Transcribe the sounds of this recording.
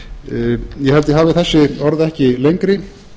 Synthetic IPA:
jɛhɛlt̪ɪɦaːvɪθɛsːɪɔɾðɛhcɪlejŋkɾɪ

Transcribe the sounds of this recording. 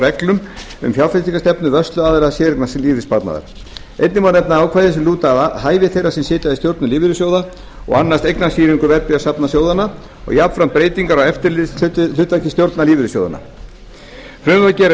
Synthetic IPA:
ɾɛklʏm | ʏ̰mfjalflɛst̪iŋkast̪ɛpnʏvœst̪lʏaːðɪɾaðsjɛːɾɪknasliːvɪspaɾt̪na̰ða̰ɾ̥ | ḛjt̪nɪmanɛpnaaːwkʰvaːjðɛsɛmluːt̪aðahaːjvɪθejrasɛmsɪːt̪jaðɪst̪jowɾt̪nʏliːvɪɾʏsjowða | ɔ̰ɣanːast̪ejknasiːɾiŋkʏvɛɾpɪasapnasjoːwðana | ɔ̰ɣjapfɾampɾeːjt̪iŋkaɾawɛft̪ɪɾʏlʏht̪ːacɪst̪jowɾt̪naliːvɪɾʏsjoːwða̰na̰ | fɾʏmvacɛɾ

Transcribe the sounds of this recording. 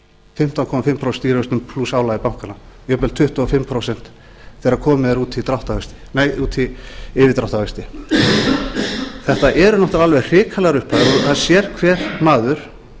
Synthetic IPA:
fɪm̥t̪awkʰɔːmafɪmpʰɾowsɛ̥nt̪iɾœst̪ʏmpʰlusaːwlaɣɪpawŋ̥kana | jœːpɛlt̪ʰʏht̪ɔafɪmːpʰɾowsɛn̥t̪ | θɛːɾakʰɔːmɪðɛɾuːt̪ʰɪlt̪ɾawht̪afœst̪ɪ̥nejuːt̪ʰɪɪvɪðt̪ɾawht̪aœst̪ɪ | θɛht̪aʔɛɾʏnɔht̪aɾalvɛɣr̥ɪːkʰalaɣɾʏhpʰaðɔθaðsjɛɾ̥kʰvɛːɾ̥maːðʏɾ̥

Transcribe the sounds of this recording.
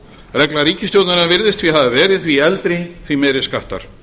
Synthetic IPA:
rɛklaɾiːcɪst̪jowt̪naɾnavɪɾðɪst̪fviɦaðɪvɛːɾɪðθviɛlt̪ɾɪθvimɛjɾɪskaht̪a̰ɾ̥

